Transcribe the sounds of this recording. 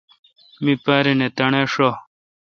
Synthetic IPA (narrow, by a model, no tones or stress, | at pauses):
mipaːɾinet̪ɐɳeʂo